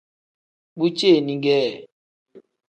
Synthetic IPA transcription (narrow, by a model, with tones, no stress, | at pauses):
ɓu˦t͡ʃe˦˨nĩ˨ŋ˦ɡɛː˦˨